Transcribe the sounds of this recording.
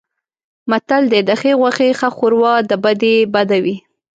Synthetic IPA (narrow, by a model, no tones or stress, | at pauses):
mat̪ald̪ed̪əxeɣwaxexaxuɾwɑd̪əbad̪ebad̪awi